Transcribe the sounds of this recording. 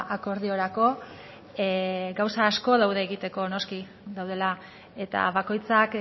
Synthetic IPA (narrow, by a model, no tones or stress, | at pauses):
ʔako̞ɾðio̞ɾako̞ | ɡawsaːsko̞ðawðe̞ːɣit̪e̞ko̞no̞ski | ðawð̞e̞la | e̞t̪a̰βako̞jt͡sak